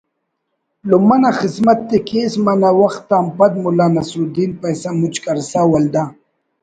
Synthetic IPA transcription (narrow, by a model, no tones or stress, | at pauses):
lumanaxɪsmat̪ːekʰesmanawaxt̪ːaːmpad̪̚mulaːnasud̪inpajsamut͡ʃkaɾsawald̪a